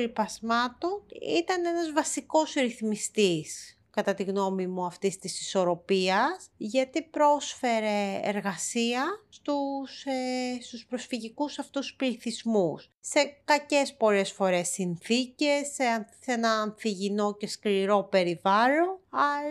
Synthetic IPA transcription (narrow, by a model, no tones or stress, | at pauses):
ɾipɐzmɐt̪o̞nḭt̪ɐne̞nɐzvɐsiko̞sɾiθmist̪is | kɐt̪ɐt̪iɣno̞mimuɐft̪ist̪isi̥so̞ɾo̞piɐsʝɐt̪ipɾo̞sfe̞ɾe̞̰ːɾɣɐsiɐst̪usest̪uspɾo̞sfiʝikusɐft̪uspliθizmusːe̞kɐce̞spo̞le̞sfo̞ɾe̞sinθice̞sesenɐːnθiʝino̞ce̞skliɾo̞pe̞ɾivɐlo̞nɐ